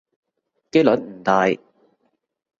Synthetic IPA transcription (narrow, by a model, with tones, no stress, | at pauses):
ke˥jlɵ˨˥nm̩˨˩t̪aː˨˧j